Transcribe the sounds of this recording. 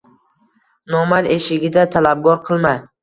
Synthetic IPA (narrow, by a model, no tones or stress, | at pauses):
nɒmaɾeʃɪɡʲɪd̪at̪ʰalab̚ɡɒɾqʰɨlˠma